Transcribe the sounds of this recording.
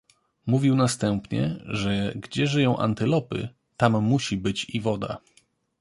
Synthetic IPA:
muvʲiwnast̪ɛmpɲɛ̰ʐɛɡd͡ʑɛʐɘjɔ̃w̃ʔa̰nt̪ɘlɔpɘ̰ | t̪amːuɕibɘt͡ɕivɔd̪a̰

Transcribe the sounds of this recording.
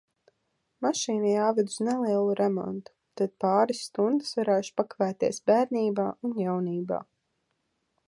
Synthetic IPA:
maʃiːnijaːvɛd̪snɛlˠiɛlˠuɾʔɛmɔ̰nt̪u̥t̪ad̪̚paːɾisːt̪und̪ɨsvaɾɛːʃu̥pakavæːt̪iɛsbæːɾnʲiːbaːunjawniːba̰ː

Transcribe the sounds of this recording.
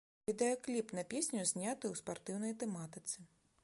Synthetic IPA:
vʲid̪ɛjɔklʲipnɐpʲesʲnʲuzʲnʲat̪ɨuspart̪ɨwnɐjt̪ɛmat̪ɨt̪sɨ

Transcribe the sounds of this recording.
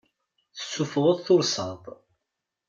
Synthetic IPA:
θə̥sːufðˤəðˤθʊɾsɑt̪ˤ

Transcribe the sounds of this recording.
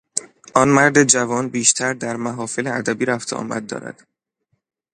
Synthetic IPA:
ʔɒːnmæɾd̪e̞d͡ʒævɒːnbiːʃt̪ʰæɾd̪æɾmæɦɒːfeleæd̪æbiːɾæft̪ʰeʔɒ̰ːmæ̰d̪̚ːɒ̰ːɾæ̰d̪̥

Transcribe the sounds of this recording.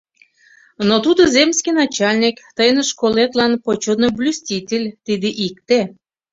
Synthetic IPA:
not̪ud̪ozʲemsʲkʲijnɑt͡ɕɑlʲnʲikt̪əjneʃkolet̪lɑnpot͡ɕonoblʲusʲtʲitʲelʲt̪id̪eʔikt̪e

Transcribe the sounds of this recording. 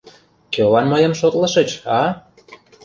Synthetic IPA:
kølɑnməjəmʃot̪lə̆ʃət͡ɕɑ

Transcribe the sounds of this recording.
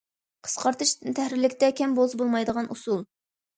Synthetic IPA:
qʰə̥sqʰɑɾt̪ɨʃɨnt̪ʰɛhɾɪlɪkʲt̪ɛkʲʰɛmbozbolˠmɑjd̪əʁɑnʔusulˠ

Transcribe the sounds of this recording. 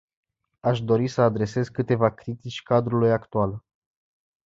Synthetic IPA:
aʃd̪o̞ɾisəad̪ɾe̞se̞zkɨt̪e̞vakɾit̪it͡ʃʲkad̪ɾulujakt̪ual

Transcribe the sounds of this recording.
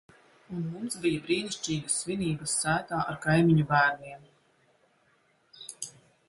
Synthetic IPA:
unmumsbijabɾiːnisʲt͡ʃiːɡɐsːviniːbɐsːæːt̪aːʔaɾkajmʲiɲubæːɾnʲiɛm

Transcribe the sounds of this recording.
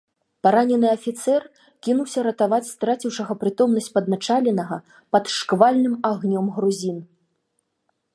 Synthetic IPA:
paɾanʲɛnɨɐfʲit̪sɛr | kʲinuwsʲɐɾɐt̪avat͡sʲst̪ɾat͡sʲiwʂɐɣɐpɾɨt̪ɔmn̪ɐsʲt͡sʲpɐd̪nat͡ʂalʲɛnɐɣɐ | pɐt̪ʂkvalʲnɨmaɣnʲɔmɣɾuzʲin

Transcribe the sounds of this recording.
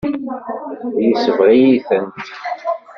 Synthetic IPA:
jəsəvʁijiθənt̪

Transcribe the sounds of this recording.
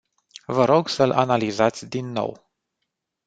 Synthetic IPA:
vəɾo̞ɡsəlʔa̰nalizat̪sʲd̪inːo̞̰w

